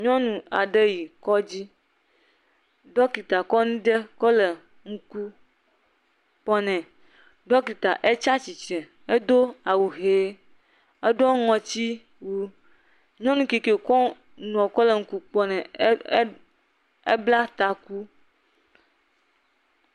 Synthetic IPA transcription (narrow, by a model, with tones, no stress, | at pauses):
ɲɔ̃˦nũ˨a˨ɖe˦ji˨kɔ˦d͡ʑi˦ | ɖɔ˦ki˨t̪a˨kɔ˦nũ˦ɖe˦kɔ˦le˨ | ŋ̩˨ku˦ | k͡pɔ˦nɛ̃˨ | ɖɔ˦ki˨t̪a˨ʔe˦t͡ʃa˦t͡ɕi˨t͡ʃɛ̃˨ | e˦d̪o˦a˨wu˨ɦe˨˦ | e˦ɖɔ˦ŋɔ̃˨t͡ɕi˦ | wu˦ | ɲɔ̃˦nũ˨ki˨ke˨kɔ˦ | nũ˨ɔ̃˨kɔ˦le˨ŋ̩˨ku˦k͡pɔ˦nɛ̃˨˦ | e˦bla˦t̪a˨ku˦